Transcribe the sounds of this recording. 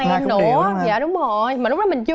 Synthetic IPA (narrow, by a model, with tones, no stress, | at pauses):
nɨ˧˩ja̰ː˧˨ɗʊ˨˦ŋ͡mro˨˩jmaː˨˩lʊ˦˥ɗɔ˨˩mï˨˩ŋ̟t͡ɕɨ˧